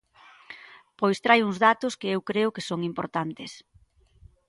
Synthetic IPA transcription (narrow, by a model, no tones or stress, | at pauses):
pojst̪ɾajuŋzðat̪ʊskɪewkɾeʊkɪsoŋimpo̰ɾt̪ant̪es